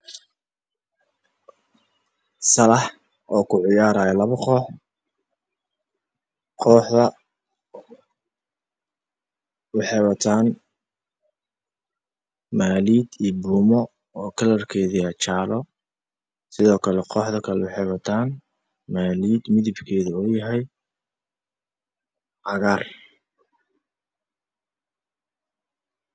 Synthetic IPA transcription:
sɐlɐħ | ʔɔːkʰʊʕɪjaːɾaːjɐlɐβɐqɔːħ | qʰɔːħðɐ | wɑħɛjwɐt̪ʰaːn | maːliːd̪iːbuːmɔ | ɔːkʰɐlɐrkʰɛːðiɐt͡ʃaːlɔ | sɪðɔːkʰɐlɛqɔːħðɐkʰɐlɛwɑħɛwɐt̪ʰaːn | maːliːd̪mɪðɪbkʰɛːðʊɔːjɐɦɛj | ʕɑɣaːr

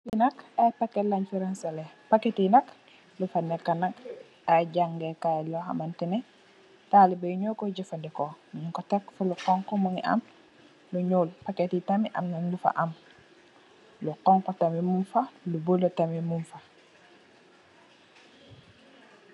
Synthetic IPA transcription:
inakapakelaɲfiɾansalepaketinak | lufanɛlkanak | aɟaŋɡekalɔxa̰mantinɛ | talibejuɲokɔɟifandikomuɲiŋkɔtakfuluqɔŋkɔmuŋiʔa̰m | luɲuːlpaketitamiʔa̰mnanlufa̰ʔam | luqɔŋkɔtamimumfalubulotamimunfa

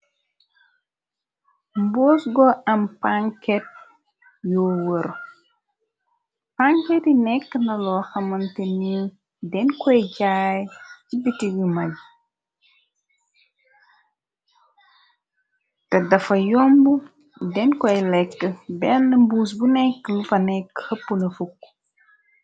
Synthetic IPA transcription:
mbɔːsɡɔɐmpaŋkɛt̚ | jɔːwəɾ | paŋkɛtinɛkːənɐlɔːxɐmɐnteni | dɛnkɔjɟaːjcibitiɡimɐl | tɐdɐfɐjɔmbu | dɛnkɔjlɛkːəbɛnɐmbuːs̬bunɛkːlufɐnɛkːhɐpːunɐfukː

